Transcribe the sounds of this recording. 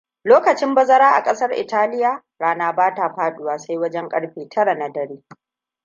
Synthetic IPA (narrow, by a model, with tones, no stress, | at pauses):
loː˦kɐ˨t͡ʃɪ˦mbɐ˦zɐ˦ɾaː˦ʔa̰˨kʼɐ˦sɐ˦rʔɪ̰˨taː˦lɪ˦jaː˨ | ɽaː˦naː˦baː˦ta˨ɸaː˦ɗʊ˦˨waː˨sa˦jwɐ˦d͡ʒɛ˦ŋkʼɐ̰˦ɽɸeː˨tʰɐ˦ɽa˨na˨dɐ˨ɽeː˦